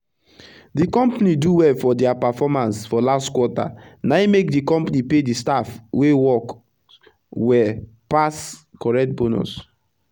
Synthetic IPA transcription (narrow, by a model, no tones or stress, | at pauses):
dikɔ̃mpaniduwɛlfɔdɛapafɔmãnsfɔlastkwɔta̰naimekdikɔ̃mpanipedistafwewɔk | wɛ | paskɔɹɛk̚t̚bonṵs